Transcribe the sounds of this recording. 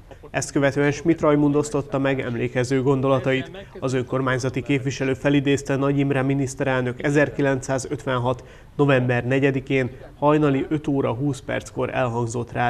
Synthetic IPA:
ɛst̪̚kø̞vɛt̪øːɛnʃmit̪rɒjmund̪o̞st̪o̞t̪ːɒmɛɡɛ̰mleːkɛzøːɡo̞nd̪o̞lɒt̪ɒjit̪ɒzø̞ŋko̞rmaːɲzɒt̪ikeːpʋiʃɛløːfɛlid̪eːst̪ɛnɒɟimraːminist̪ɛɾɛlnø̞kɛzɛrkilɛnt̪saːzø̞t̪ʋɛnɦɒt̪ | no̞vɛmbɛrnɛɟɛd̪ikeːn | hɒjnɒliʔø̞t̪oːɾɒɦuːspɛ̰rt̪sko̞ɾɛ̰lɦɒŋzo̞t̪raː

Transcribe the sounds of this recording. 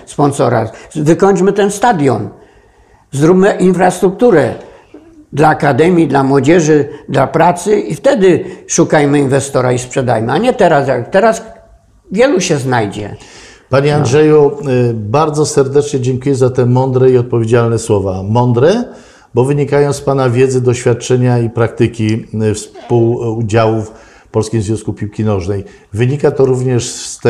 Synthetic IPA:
spɔnsɔɾa̰vɘkɔɲd͡ʑmɘt̪ɛnst̪ad̪ʲjɔ̰n | zɾubmɘʔinfɾast̪ɾuk̚t̪uɾɛ | d̪laːkad̪ɛmʲjid̪lamwɔd͡ʑɛʐɘd̪lapɾat̪sɘift̪ɛd̪ɘʂukajmɘinvɛst̪ɔɾaispʂɛd̪a̰jmɘaɲɛt̪ɛɾasjat̪ɛɾas | vʲjɛluɕɛznajd͡ʑɛ̰ | paɲɛandʐɛjubaɾd̪zɔsɛɾd̪ɛt͡ʂɲɛd͡ʑɛŋkujɛzat̪ɛmɔnd̪ɾɛiɔt̪̚pɔvʲjed͡ʑalnɛswɔvamɔnd̪ɾɛ | bɔvɘɲikajɔ̃w̃spanavʲjɛd̪zɘd̪ɔɕfʲjat̪̚t͡ʂɛɲaipɾak̚t̪ɘkʲifspuwd͡ʑawuf | pɔlskʲimzvʲjɔ̃w̃skupʲiwkʲinɔʐnɛj | vɘɲikat̪ɔɾuvɲɛʂsst̪ɛ

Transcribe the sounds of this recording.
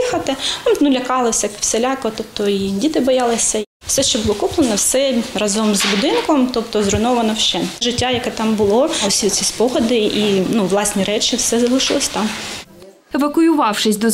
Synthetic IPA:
xɐt̪ɪnulʲɐkɑlˠɪwsɛkwselʲɑkɔt̪ɔpt̪ɔidʲit̪ɪbɔjɑlˠɪsʲɐ | wsɛʃt͡ʃɛbʊlˠɔkuplˠenɐwsɛrɐzɔmzbʊd̪ɪnkɔmt̪ɔpt̪ɔzɾʊnɔʋɐnɔʃt͡ʃɛʒɪtʲːajɐkɛt̪ɑmbʊlˠɔlˠɪsʲiɔt͡sʲispɔɦɐd̪ɪinuʋlˠɑsʲnʲiɾɛt͡ʃɪwsɛzɐlˠɪʃɪlˠɪsʲt̪ɑm | eʋɐkʊjʊʋɑwʂɪsʲd̪ɔ

